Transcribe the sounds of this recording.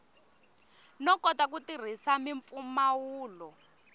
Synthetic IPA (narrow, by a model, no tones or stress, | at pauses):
nɔkɔtak̬utir̤isamiɱp̪fumawuːlɔ